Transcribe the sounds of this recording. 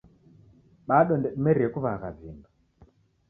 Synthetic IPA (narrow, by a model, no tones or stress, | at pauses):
ɓaɗɔndɛɗumɛɾiɛkuβakad͡ziːmba